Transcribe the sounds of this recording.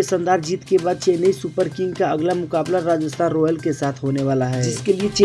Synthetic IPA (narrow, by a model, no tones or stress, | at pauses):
esə̃nd̪aːɾd͡ʒiːt̪kebaːd̪̚t͡ʃeːnəisupəɾkɪ̃ŋɡkaɐɡlamʊkaːblaɾaːd͡ʒəst̪ʰaːnɾɔːjəlkesaːt̪ʰɦoːneʋaːlaɦɛːd͡ʒɪskeliet͡ʃe